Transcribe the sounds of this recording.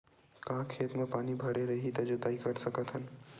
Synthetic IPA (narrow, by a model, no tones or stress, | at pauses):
kãɦkʰeːt̪mẽpaːnibʱəɾeɾəɦit̪əd͡ʒod̪aːikəɾsəkət̪ɦən